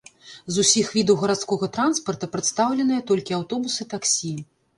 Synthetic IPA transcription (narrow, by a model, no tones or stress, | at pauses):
zusʲixvʲid̪ɐwɣɐɾat̪skɔɣɐt̪ɾanspɐrt̪ɐpɾɐt̪st̪awlʲɛnɨjɐt̪ɔlʲkʲiawt̪ɔbusɨt̪aksʲi